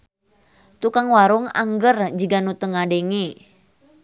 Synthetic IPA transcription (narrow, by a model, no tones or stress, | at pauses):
t̪ukaŋwaɾʊŋa̰ŋɡərd͡ʒiɡanut̪əŋadeŋe